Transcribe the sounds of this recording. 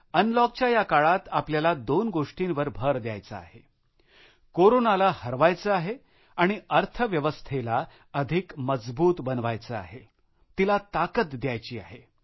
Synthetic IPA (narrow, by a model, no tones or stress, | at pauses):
ənlɔk̚t͡ɕjajakaɭat̪apljalad̪onɡoʂʈinʋəɾbʱəɾd̪ja̰jt͡səa̰ɦe | koɾonalahəɾʋajt͡səaɦe | aɽ̃iəɾt̪ʰəʋjəʋəst̪ʰela | əd̪ʱikməd͡zbuːt̪bənʋajt͡səa̰ɦe | t̪ilat̪akət̪d̪jajt͡ɕiːa̰ɦe